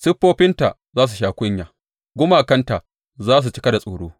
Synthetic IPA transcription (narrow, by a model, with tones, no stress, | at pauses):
sɪ˦ɸːoː˦ɸɪ˦nta˨ | zaː˦s̬u˨ʃaː˦kʷʊ˦ɲjaː˨ | ɡʷʊ˦maː˨kɐ˦nta˨ʔ | zaː˦s̬u˨t͡ʃɪ˦kɐ˦da˨sʼoː˨ɽoː˦